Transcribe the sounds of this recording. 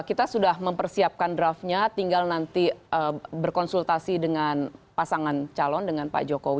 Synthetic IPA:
kit̪asudahməmpərsiap̚kandɾafɲat̪iŋɡalnant̪iəbərkɔnsult̪asidəŋanpasaŋant͡ʃalɔndəŋanpa̰d͡ʒokowi

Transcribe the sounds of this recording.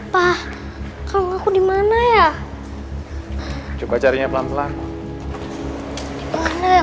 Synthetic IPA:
pa | kʰawŋakʰudimanaja | t͡ʃupat͡ʃaɾiŋaplamt̪la | mana

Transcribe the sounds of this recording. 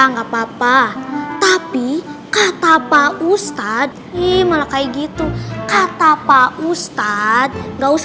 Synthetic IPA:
aŋɡapapat̪apikat̪apaust̪ad̪̚ | imalakajɡit̪ukat̪apaust̪ad̪̚ɡaus

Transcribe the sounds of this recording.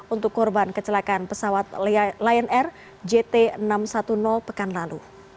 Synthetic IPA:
unt̪ʊkːɔrbankət͡ʃəlakanpəsawat̪̚lajənɛr | d͡ʒet̪eənamsat̪unɔlpəkanlalṵ

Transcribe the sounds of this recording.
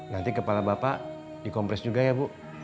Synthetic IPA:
nant̪ikəpalabapa | dikɔmpɾɛsd͡ʒuɡajabuʔ

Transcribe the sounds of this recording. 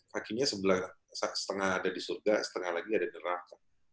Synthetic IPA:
kakiɲasəbəla | sasə̥t̪əŋahadadisurɡasə̥t̪əŋahlaɡiadanəɾaka

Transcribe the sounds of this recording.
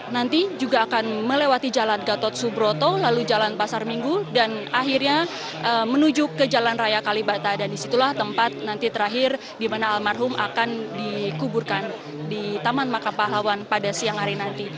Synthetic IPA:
nant̪id͡ʒuɡaːkanməlewat̪id͡ʒalanɡat̪ɔt̪̚subɾot̪olalud͡ʒalanpasarmiŋɡudanaɦirɲa | əmənud͡ʒʊkːəd͡ʒalanrajakalibat̪adandisit̪ulaht̪əmpat̪̚nant̪it̪əɾaɦɪr | dimanaːlmarɦʊmʔa̰kandikuburkan | dit̪amanmakapaɦawanpadasiaŋhaɾinant̪i

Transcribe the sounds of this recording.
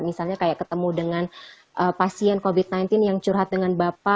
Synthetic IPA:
misalɲakajaʔkət̪əmudəŋan | ʔəpasiɛnkobit̪̚najnt̪ɪnjaŋt͡ʃuɾɦat̪̚dəŋanbapa

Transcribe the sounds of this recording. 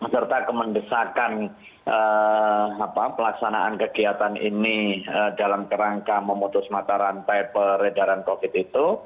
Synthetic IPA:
əsərt̪akəməndəsakan | ʔə | apapəlaksanaʔa̰nkəɡiat̪anḭniədalamkəɾaŋkaməmut̪ʊsmat̪aɾant̪ajpəɾədaɾankofɪt̪it̪u

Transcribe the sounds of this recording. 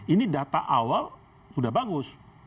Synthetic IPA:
inidat̪aʔawal | sudahbaɡʊs

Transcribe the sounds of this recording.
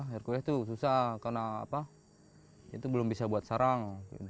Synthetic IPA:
ɛrkulat̪us̬usahkarna̰ːpa | a̰t̪ubəlʊmbisabuat̪̚saɾaŋpd

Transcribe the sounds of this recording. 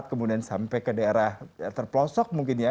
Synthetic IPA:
t̪̚kəmudiansampɛjkədaeɾahat̪ərpəlɔsɔk̚muŋkɪnja

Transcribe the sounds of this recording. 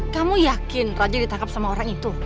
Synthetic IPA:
kamujakɪnrad͡ʒadit̪aŋkap̚samaoɾaŋit̪u

